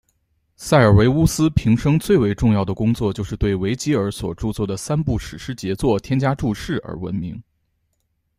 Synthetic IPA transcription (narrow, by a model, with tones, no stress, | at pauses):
sa˥˩ɪə˞˨˩we˧˥ɪu˥sɹ̩˥pʰi˧˥ŋʂɤ˥ŋt͡swe˥˩ɪwe˧˥ɪʈ͡ʂʊ˥˧ŋjɑ˥˩ʊd̪ə˩kʊ˥ŋt͡swɔ˥˧t͡ɕjo˥˧ʊʂɻ̩˥˧t̪we˥˩ɪwe˧˥ɪt͡ɕi˥ə˞˧˥swɔ̰˨˩ʈ͡ʂu˥˧t͡swɔ˥˩d̪ə˩sa˥npu˥˩ʂɻ̩˨˩ʂɻ̩˥t͡ɕjɛ˧˥t͡swɔ˥˩t̪ʰjɛ˥nt͡ɕja˥ʈ͡ʂu˥˧ʂɻ̩˥˩ə̰˧˥wə̰˧˥nmḭ˧˥ŋ